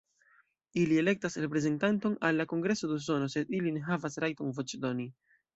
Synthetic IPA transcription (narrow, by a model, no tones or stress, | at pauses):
ilie̞le̞k̚tasɾe̞p̬ɾe̞ze̞ntanto̞nalːako̞ŋɡɾe̞so̞dus̬o̞no̞se̞diline̞ɦavasɾajto̞nvo̞t͡ʃdo̞ni